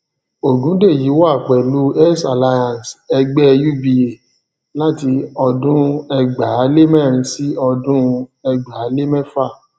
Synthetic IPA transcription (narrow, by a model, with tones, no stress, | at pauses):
o˨dũ˨˦de˦˨ji˨˦wa˦˨k͡pɛ˨lu˨˦ɛ˦sa˨la˧jã˨n˨sɛ˧ɡ͡bɛ˦ju˦bi˧e˨ | la˦ti˧ɔ˧dũ˦ɛ˧ɡ͡ba˨˦le˦mɛ˦˨ɾ̃ĩ˧si˦ɔ˧dũ˦ɛ˧ɡ͡ba˨a˨˦le˦mɛ̃˦fa˦˨